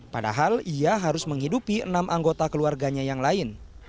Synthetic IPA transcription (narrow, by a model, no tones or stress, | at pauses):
pada̰ɦaliaɦaɾʊsməŋhidupiə̰namʔaŋɡot̪akəluarɡaɲajaŋlaɪn